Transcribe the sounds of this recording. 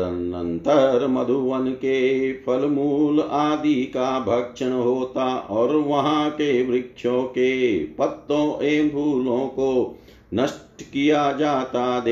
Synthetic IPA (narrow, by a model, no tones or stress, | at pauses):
ɐnnɐ̰̃nt̪ɐɾmɐd̪ʱuʋɐnkepʰɐlmuːlaːd̪ikabʱɐkʂɐɳɦoːt̪aːʔɔːɾʋɐɦãkeʋɾɪkʂõːkepɐt̪ːõːʔeːbʱuːlõːko | nɐʂʈkijad͡ʒaːt̪aːd̪e